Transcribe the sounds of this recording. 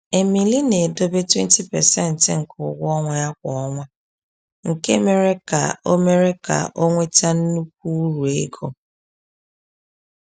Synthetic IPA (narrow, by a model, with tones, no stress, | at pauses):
e˨mi˨li˦ne˨do˦be˦twe˦n˦ti˦pɛ̰˨sɛ˦n̩˨tŋ̩˨kʰʊ˨ɡʷɔ˦ŋʷa˨ja˦kʷɔ˨ɔ˦ŋʷa˦ | ŋ̩˨ke˦me˦ɾe˦ka̰˨o˦me˦ɾe˦ka̰˨ʔo˦ŋʷe˦t͡ʃa˦n̩˦nu˦k̚ʷu˦u˦ɾu˨e˦ɡo˨